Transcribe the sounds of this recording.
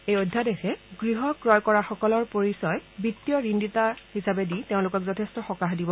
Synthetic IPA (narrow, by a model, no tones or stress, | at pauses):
ejojdʱːadexɛɡɹiɦɔkɹɔjkɔɹaxɔkɔlɔɹpoɹisɔjbitːijɔɹinditahisabɛditeʊ̃lʊkɔkzɔtʰestɔxɔkaxdibɔ